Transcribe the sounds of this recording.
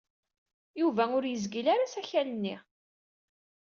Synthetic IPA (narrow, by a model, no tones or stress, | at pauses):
juvæʊɾjəzɡilaɾasæçælənːi